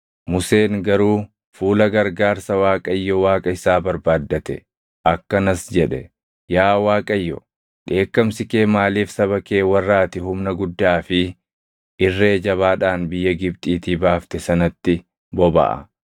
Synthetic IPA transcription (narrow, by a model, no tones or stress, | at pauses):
mʊse̞ːŋɡɐɾuː | fuːlɐɡɐɾɡaːɾsɐwaːkʼɐjːɔwaːkʼɐɪsaːbɐɾbaːd̪ːɐt̪ɛ | ʔɐkːɐnɐsd͡ʒɛᶑɛ̰ | jaːwaːkʼɐjːɔ̰ | ᶑe̞ːkːɐmsɪkeːmaːliːfsɐβɐke̞ːwɐrːaːt̪ɪɦʊmnɐɡʊd̪ːaːfɪ | ʔɪrːe̞ːd͡ʒɐβaːᶑaːnbɪjːɐɡɪbt̪ʼiːt̪iːbaːft̪ɛsɐnɐt̪ːɪ | bɔbɐ̰ʔɐ̰